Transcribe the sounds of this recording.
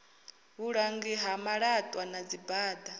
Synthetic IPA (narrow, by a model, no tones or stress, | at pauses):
βuɺaŋɡiɦamaɺatʼwanad͡zibaːd̪a